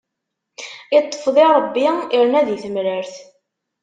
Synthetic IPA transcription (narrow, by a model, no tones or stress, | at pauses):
it̪ˤːə̥fðˤiɾˤəbːiiɾnæðjθəmɾəɾθ